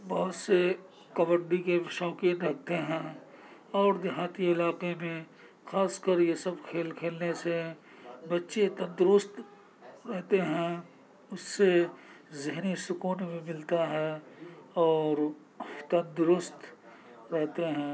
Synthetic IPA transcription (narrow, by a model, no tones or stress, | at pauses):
bɐɦʊt̪se | kɐbə̃ɳɖikeʃɔːkĩɐɦ̚t̪eɦɛ̃ː | ɔːɾd̪ɪɦaːt̪iɪlaːqemẽ | xaːskəɾjesɐbkʰeːlkʰeːlnese | bɐtːʃet̪ɐ̃nd̪ʊɾʊst̪ | ɾɛɦt̪eɦɛ̃ | ʊsːezɪɦnisʊkuːnmẽmɪlt̪aɦɛ | ɔːɾ | t̪ɐ̃nd̪ʊɾʊst̪ | ɾɛɦt̪eɦɛ̃ː